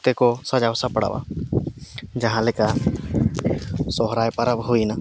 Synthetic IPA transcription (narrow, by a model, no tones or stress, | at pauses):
t̪ɛkɔsad͡ʒawsapaɽa̰wa̰ | d͡ʒaɦãlɛka | sɔɦɾajpaɾapɦujna